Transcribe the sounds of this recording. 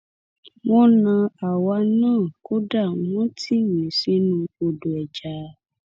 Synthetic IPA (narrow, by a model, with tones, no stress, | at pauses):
mɔ̃˦nã˧a˨wa˧˦nãː˦˨ko˦da˦˨˦wɔ̃˦tʰi˦wi˨si˦nũ˧o˧do˨ɛ˨d͡ʒa˨˦